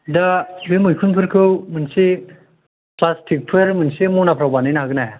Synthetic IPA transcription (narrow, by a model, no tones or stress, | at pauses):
dabemujkʰunpʰɯɾkʰɯwmɯnsi | plasʈʰik̚pʰɯɾmɯnsemunapʰɾawbanɯjnaɦaɡnaja